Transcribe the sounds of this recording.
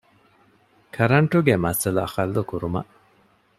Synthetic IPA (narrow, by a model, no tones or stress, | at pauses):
kʰɐɾɐɳʈuɡemɐsɐluɐ̰xɐlːukuɾumɐ̰ʔ